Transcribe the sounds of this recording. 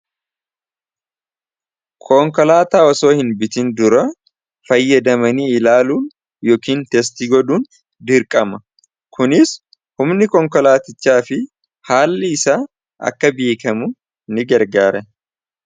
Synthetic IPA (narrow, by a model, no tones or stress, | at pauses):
kʰɔŋkɔlaːt̪aːɔso̞ːhɪnbɪt̪ɪnd̪ʊɾɐ | fɐjːɐd̪ɐmɐniːɪlaːluːn | joːkiːnt̪ɛs̬t̪ɪɡɔd̪uːn | d̪ɪɾkʼɐmɐ | kʰʊnɪs | hʊmnɪkɔŋkɔlaːt̪ɪt͡ʃːaːfɪ | haːlːɪːsaː | ʔɐ̰kːɐbiːkɐmʊ | nɪɡɐɾɡaːɾɛ